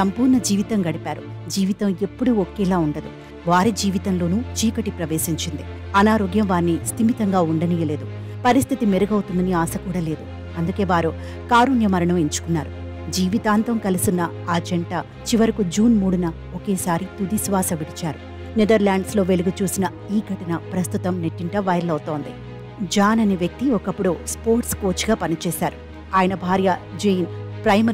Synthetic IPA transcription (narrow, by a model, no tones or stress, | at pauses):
sɐmpuːɾɳɐd͡ʒiːʋit̪ɐŋɡɐɽipaːɾud͡ʒiːʋit̪ɐme̞pːuɽuɔkɛːlaːuɳɖɐd̪u | ʋaːɾid͡ʒiːʋit̪ɐmlo̞ːnuːt͡ʃiːkɐʈipɾɐʋeːsiɲt͡ʃind̪iɐnaːɾoːɡjɐmʋaːɾnist̪imit̪ɐŋɡaːuɳɖɐnijɐle̞ːd̪u | pɐɾist̪ʰit̪imeɾɐɡɐwt̪und̪ɐniaːsɐkuːɽaːle̞ːd̪u | ɐnd̪uke̞ːʋaːɾu | kaːɾuɳjɐmɐɾɐɳɐmeɲt͡ʃu̥kunːaːɾu | d͡ʒiːʋit̪aːnt̪ɐmkɐlusunːɐ | ad͡ʒɐɳʈa | t͡ʃiʋɐɾikud͡ʒuːnmuːɽunɐ | okeːsaːɾit̪ud̪isʋaːsɐʋiɽit͡ʃaːɾu | nid̪ɐɾlaːɳɖslo̞ːʋe̞luɡut͡ʃuːsinɐ | iːɡʱɐʈɐnɐpɾɐst̪ut̪ɐmneʈːiɳʈɐʋɐjɾɐlɐwt̪o̞ːnd̪i | d͡ʒaːnɐneʋjɐk̚t̪iɔkɐpːuɽuspoːɾʈsko̞ːt͡ʃɡaːpɐnit͡ʃɛːsaːɾu | aːjɐnɐbʱaːɾjɐd͡ʒejnpɾɐjmɐ